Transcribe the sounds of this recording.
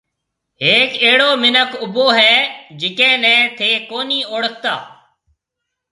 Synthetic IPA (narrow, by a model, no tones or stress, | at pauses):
ɦeːkeːɽoːmɪnəkʊboːɦɛːd͡ʒɪkɛ̃ːnɛ̃ːt̪ʰeːkoːniːoːɽək̚ʰt̪a̰ː